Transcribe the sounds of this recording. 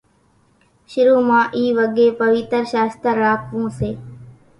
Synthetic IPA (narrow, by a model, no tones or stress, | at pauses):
ʃɪɾũːmãːʔiːʋəɠeːpəʋɪːt̪əɾʃaːst̪əɾːaːkʋũːseː